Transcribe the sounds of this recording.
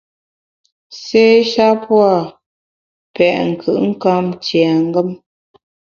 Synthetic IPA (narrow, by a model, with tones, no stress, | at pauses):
seː˦ʃa˦pwa˦˨ | pɛ˨ʔŋ̩˨kʰɯ̰˨ʔŋ̩˦ka˦mt͡ʃjɛ˨ŋ̩˦ɡə˦m